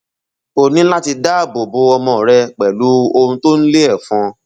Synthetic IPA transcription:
o˨nĩ˨˦la˦ti˧da˦˨bo˨bo˨˦ɔ˧mɔ̃˧˨ɾɛ˧k͡pɛ˨lu˨˦o˧ũ˧to˦n̩˦le˦ɛ˦˨fɔ̃˧

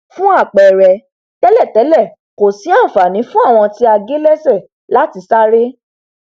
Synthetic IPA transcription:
fũ˦a˦˨k͡pɛ˨ɾɛ˧ | tɛ˦lɛ˦˨tɛ˨˦lɛ˦˨ | ko˨si˨˦ã˦˨fa˨nĩ˨˦fũ˦a˦˨w̃ɔ̃˧ti˦a˧ɡe˦lɛ˦sɛ˦˨ | la˨˦ti˧sa˦ɾe˦

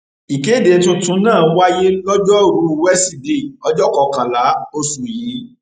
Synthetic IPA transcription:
i˨ke˨˦˨de˨˧˦tũ˧˦tũ˦nãː˦˨˦wa˦je˦lɔ˦d͡ʒɔ˦˨ɾu˨˦˧wɛ˦si˦˨de˨ɔ˦d͡ʒɔ˦kɔ˧kã˨la˨˦o˧su˨ji˨˦

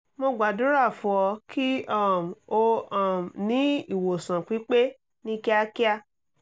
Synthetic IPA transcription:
mo˧ɡ͡ba˨dũ˨˦ɾa˦˨fu˦ɔ˧kʰi˦ɔ˦˨m˨o˦ɔ̃˦˨m˨nĩ˨˦i˦˨wo˨sã˨k͡pi˨˦k͡pe˦ | nĩ˦kɛ˦a˦ki˦a˧

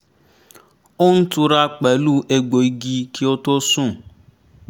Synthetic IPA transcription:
o˦n̩˦tu˧ɾa˧k͡pɛ˨˦lu˦ʔe˧ɡ͡bo˨i˦ɡi˧ki˦o˦to˦sũ˦˨

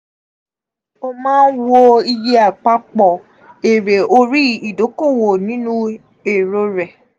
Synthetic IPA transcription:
o˧mãː˦n̩˦wo˦i˧je˦a˦˨k͡pa˧k͡pɔ˨ | e˨ɾe˨o˧ɾi˦i˨do˨˦ko˦˨wo˨nĩ˦nũ˦ | e˦˨ɾo˧ɾɛ˨

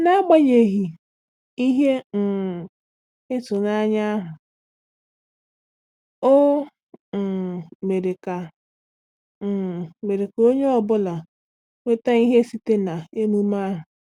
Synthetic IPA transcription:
na˦ɡ͡ba˦ɲe˨ɦi˨ | i˦ɦe˦n̩˨ | e˦tʊ˨na˦ɲa˦ɦʊ˨ | o˦˨ | me˨ɾe˨ka˨ | me˨ɾe˨ko˦ɲe˦ɔ˨bʊ˦la˨ | we˦ta˦i˦ɦe˦si˦te˦na˨e˦mu˦ma˦ɦʊ˨

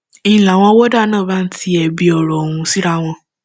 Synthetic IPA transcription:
i˨la˨w̃ɔ̃˧˦wo˦da˦˨nãː˦˨ba˦n̩˦ti˧˦ɛ˧bi˧ɔ˧˨ɾɔ˨o˨hũ˧si˦ɾa˦w̃ɔ̃˧

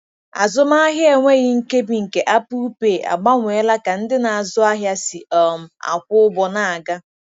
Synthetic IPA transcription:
a̰˨zʊ˦ma˦a˦ɦje˨ŋʷe˦ɣɪ˦ŋ̩˦ke˦bi˨ŋ̩˨ke˨ʔa˦pu˦u˦peː˨ʔa̰˨ɡ͡ba˦ŋʷe˨˦la˦ka˨n̩˦dɪ˦na˨a˨zʊ˦a˦ɦja˦si˨ɔ˨m̩˨a̰˨kʷʊ˦ʊ˦bɔ˨na˨a˨ɡa˦

